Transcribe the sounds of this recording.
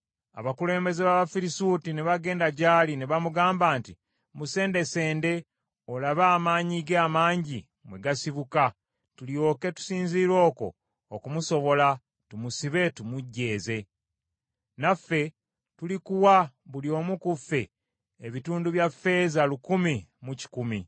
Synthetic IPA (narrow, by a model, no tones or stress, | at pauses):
a̰βakule̞ːmbe̞zeβaβafiɾisuːtineβaɡe̞ːndaɟaːlineβamuɡaːmbaːnti | muse̞ːnde̞se̞ːnde̞ | olaβaːmaːɲiɡeamaːɲɟi | mwe̞ɡasiβuka | tuljo̞ːke̞tu̥siːnziːɾo̞ːko̞̰ | okumuso̞βo̞la | tumusiβe̞tumuɟːe̞ːze̞ | nafːe̞ | tulikuwaβuljo̞ːmukufe̞̰ː | βituːnduβjafe̞ːzalukumimuci̥kumi